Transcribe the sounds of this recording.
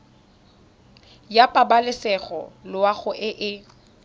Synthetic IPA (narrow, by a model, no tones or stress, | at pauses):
japʼabalɪsɛɣɔ̰lʊaɣʊʔɪʔɪ